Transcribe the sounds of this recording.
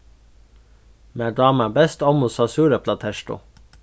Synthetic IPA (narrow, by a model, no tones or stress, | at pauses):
mæːɖɑːmæbɛst̪ɔmʊsɑsʉːɾəpʰlɑt̪ʰɛʃʈʊ̰